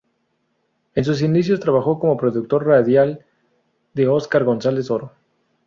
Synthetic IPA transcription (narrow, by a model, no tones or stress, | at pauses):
e̞ns̬us̬ind̪isjo̞st̪ɾaβaxo̞ko̞mo̞pɾo̞ðuk̚t̪o̞ɾraðjal | d̪eo̞skaɾɣo̞nsale̞so̞ɾo